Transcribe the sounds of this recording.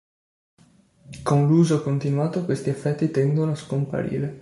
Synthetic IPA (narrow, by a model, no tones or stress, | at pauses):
konluːzokont̪inuaːt̪okwest̪iefːɛt̪ːit̪ɛnd̪onoaskompa̰ɾḭːɾe